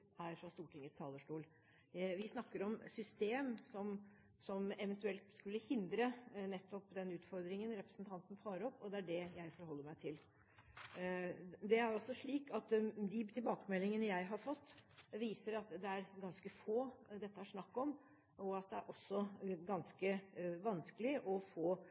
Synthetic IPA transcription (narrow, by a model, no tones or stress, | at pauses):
hæːɾfɾɑst̪uːʈʰɪŋːət̪st̪ʰɑːləʂʈuːl | ʋɪsnɑkːəɾɔmsʏst̪eːmsɔm | sɔmɛʋənt̪ʉɛlt̪skʉlːəhɪnd̪ɾənɛt̪ːɔpd̪ɛnʉːt̪fɔɾd̪ɾɪŋənɾɛpɾə̥snt̪ʰɑnt̪nt̪ʰɑːɾɔpːɔd̪ɛæɖɛjæɪfɔɾhɔlːəɾmæɪt̪ʰɪl | d̪ɛæɾɔsːɔʂɭiːkɑt̪d̪ɪt̪ʰɪlbɑːkəmɛlːɪŋənəjæɪɦɑɾfɔt̪ːʋiːsəɾɑt̪d̪ɛæɾɡɑnskəfoːd̪ɛt̪ːəæʂnɑkːɔm | ɔɑt̪̚d̪ɛæ̰ɾʔɔsːɔɡɑnskəʋɑnskəlɪʔɔfoː